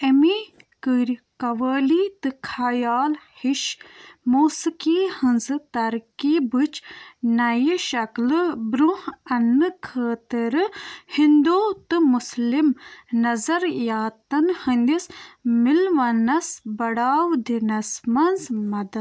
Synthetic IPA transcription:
emikɨɾʲkɐʋəːliːt̪ɨkʰaːjaːlhiʃmoːsɨkihɨnzɨt̪ɐɾkiːbɨt͡ʃnɐjiʃɐklɨbɾuhɐnːɨkʰəːt̪iɾɨhind̪oːt̪ɨmuslimnɐzɐɾjaːt̪ɐnhɨnd̪ismilʋɐnɐsbɐɽaːwd̪inɐsmɐnzmɐd̪ɐd̪

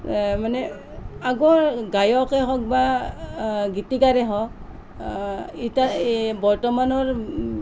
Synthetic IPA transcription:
manɛ | aɡɔɹɡajɔkɛɦɔk̚ba | ɡitikaɾɛɦɔ | itabɔɹtɔmanɔɹ

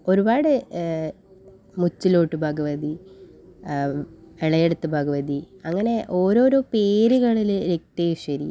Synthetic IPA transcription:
o̞ɾubaːɽɨ | mut͡ɕːilo̞ːʈːɨbʱɐɡɐʋɐd̪i | eɭɐjeɽut̪ːɨbʱɐɡɐʋɐd̪iɐŋːɐne̞ʔo̞ːɾo̞ːɾo̞ːpeːɾuɣɐɭilɾek̚t̪ejuʂɐɾḭ

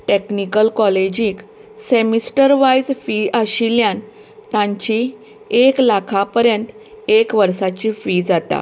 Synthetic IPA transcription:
ʈeknikəlkɔled͡ʑĩksemisʈəɾʋajd͡zfiʔaɕiljãn | t̪ãɲt͡ɕi | eklakʰapəɾjənt̪ | ekʋəɾsat͡ɕifid͡zat̪a̰

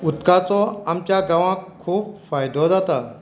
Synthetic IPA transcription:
ut̪kat͡sɔamt͡ɕjaɡãʋãkʰːuːpfajd̪ʱɔd͡zat̪a

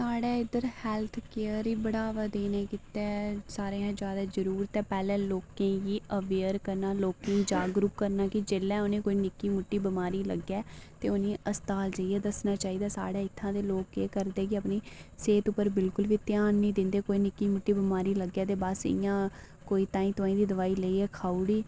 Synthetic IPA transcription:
saːɽɛːɪd̪əɾhɛlt̪ʰkeːəɾiːbəɽaːʋaːd̪eːneːkɪt̪ɛːsaːɾeãːd͡ʒjaːd̪aːd͡ʒəɾuːɾt̪ɛːpɛːlɛ̃ːloːkẽːjiːəʋeːəɾkəɾnaːloːkẽːd͡ʒaːɡɾʊpkəɾnaːkɪd͡ʒeːlːɛ̃ːʊnẽːkoːiːnɪkːiːmʊʈːiːbəmaːɾiːlə̰ɡːɛːt̪eːʊnĩːʔəst̪aːld͡ʒaiːɛːd̪əsnaːt͡ʃaːiːd̪aːsa̰ːɽeːɪt̪ʰːãːd̪eːloːkeːkəɾd̪eːkɪəpniːseːt̪ʊpːəɾbɪlkʊlʋiːt̪ɪjaːnːĩːd̪ɪ̃nd̪eːkoːiːnɪkːiːmʊʈːiːbəmaːɾiːləɡjaːd̪eːbaːsɪ̰jãː | koːiːt̪ãːĩːt̪oaːĩːd̪iːd̪əʋaːiːləiːɛːkʰaːuːɽiː

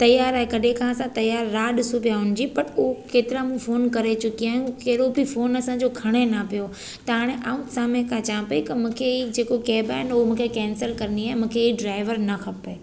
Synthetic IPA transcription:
t̪ɐjaːɾaːɦekɐɗẽkʰãɐsãt̪ɐjaːɾːaːɗɪsupijaɦʊnɪ̆d͡ʑipɐʈʊɦokeːt̪ɪɾamũfoːnkɐɾet͡ɕʊkiaːɦijũkɐːɽobifoːnɐsãɲd͡ʑokʰɐɽ̃enɐpijo | t̪ɐɦaːɽ̃eʔaːũsaːmẽkʰãt͡ɕãːpɐik̪ɐmũːkʰeid͡ʑeːkokeːbaːɦɪnʊɦomũːkʰekɛ̃ːnsəlkɐɾniaːɪmũːkʰeiɖɾaːɪʋəɾnɐkʰɐpeː

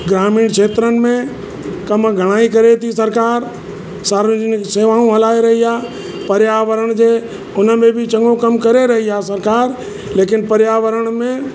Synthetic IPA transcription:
ɡɾaːmiːɽ̃kʰeːt̪ɾənɪ̆mẽ | kɐmɡʱɐɽ̃aːikɐɾet̪ʰisɐɾkaːɾ | saːɾʋɪd͡ʒənɪseːʋaːɽ̃ũɦɐlaːeɾɐɦiaː | pɐɾjaːʋəɾəɽ̃d͡ʑeː | ʊnəbẽbʱɪt͡ɕɐ̃ŋɡõkɐmkɐɾeɾɐɦiaːsɐɾkaːɾ | leːkɪnpɐɾjaːʋəɾəɽ̃mẽ

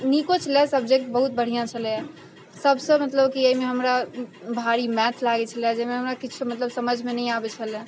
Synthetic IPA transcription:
nikot͡ʃʰəlɛsəb̚d͡ʒek̚ʈ̚bəɦut̪̚bəɽ̤ijãt͡ʃʰəljã | səbsə̃mət̪ləbkiəimeɦəmɾabʱaɾimɛt̪ʰlaɡɛt͡ʃʰəljad͡ʒemeɦəmɾakit͡ʃʰumət̪ləbsəməd͡ʒʱmenəĩabɛt͡ʃʰəlɛ̃

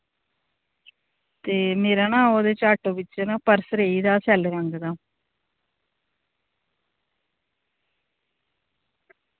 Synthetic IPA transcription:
t̪eːmeːɾaːnãːoːd̪eːt͡ʃaːʈõːʋɪt͡ʃːnãːpəɾsɾeːiːd̪aːsɛːlɾəŋɡd̪aː

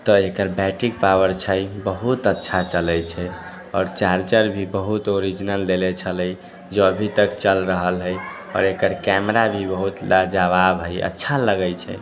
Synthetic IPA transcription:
t̪ɔekəɾbɛʈikpawəɾt͡ʃʰajbəɦut̪ətːʃʰat͡ʃələjt͡ʃʰɛ | ɔːɾt͡ʃaɾt͡ʃəɾbʱibəɦut̪oɾid͡ʒinəld̪elɛt͡ʃʰələj | d͡ʒoəbʱit̪əkt͡ʃəlɾəɦəlɦəj | ɔ̰ːɾekəɾkɛmɾabʱibəɦut̪lad͡ʒaβabɦəjə̰tːʃʰaləɡəjt͡ʃʰɛ̰

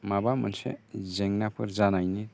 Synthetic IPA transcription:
mabama̰nsḛzɛŋnapʰɔɾzanajni

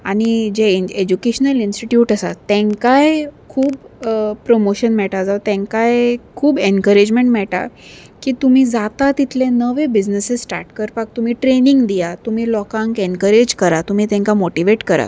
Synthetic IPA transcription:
aɽ̃id͡ʑeed͡ʑukeɕənəlinsʈiʈjuːʈəsa̰t̪ːɛ̃ŋkajkʰuːbpɾomoɕənmɛɭʈad͡zat̪ɛ̃ŋkajkʰuːbenkəɾed͡ʑmeɳʈmɛɭʈa̰ | kiːt̪um̤iːd͡zat̪at̪it̪ʰlẽnəʋebid͡ʑnəsessʈa̰ɾʈkəɾpak̚t̪um̤iːʈɾeniŋɡd̪ijat̪um̤iːlɔkãŋkenkəɾed͡ʑkəɾat̪um̤iːt̪ɛ̃ŋkamoʈiʋeʈkəɾa̰

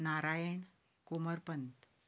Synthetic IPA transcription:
naɾajəɳ | koməɾpənt̪

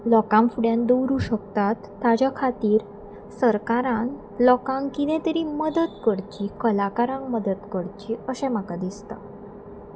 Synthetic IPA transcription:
lɔkãŋfuɽjãnd̪owɾuːɕəkt̪at̪ːad͡ʑakʰat̪iːɾ | səɾkaɾãŋ | lɔkãŋkinɛ̃t̪əɾiməd̪ət̪kəɽt͡ɕikəlakaɾãŋkməd̪ət̪kəɽt͡ɕiəɕɛ̃makad̪ist̪a

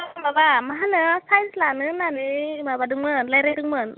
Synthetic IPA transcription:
mabamaɦanɯsajslanɯnanimabadɯŋmɯnlajɾajdɯŋmɯn

